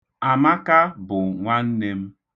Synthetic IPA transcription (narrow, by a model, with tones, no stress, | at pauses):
a˨ma˦ka˦bʊ˨ŋʷa˦n̩˦ne˦m̩˦